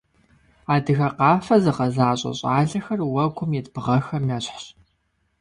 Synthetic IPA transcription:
aːdɨɣɐqɑːfɐzɨqɐzaːɕʼɐ̰ɕʼaːɮɐxɐrwɐɡʷʰʊmjɛtbɨʁɐxɐmjaːɕħɕ

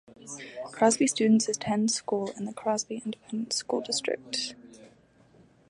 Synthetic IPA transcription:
kʰɹ̥azbistt͡ʃʉːdⁿn̩tsɪz̥tʰɛ̃nskuːlɪ̰̃nðəkʰɹ̥azbiɪ̃ndɪpʰɛ̃ndə̃n̩tskṵːlˠdɪstɹ̥ɪ̰k̚t

